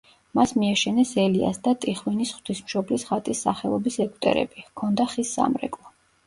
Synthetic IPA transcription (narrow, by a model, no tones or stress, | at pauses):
masmiaʃɛnɛsɛlia̰sd̪at̪ʼiχwinisχwt̪ʰismʃɔblisχat̪ʼisːaχɛlˠɔbisɛkʼu̥t̪ʼɛ̰ɾɛ̰bikʰɔnd̪aχisːa̰mɾɛ̰kʼlˠɔ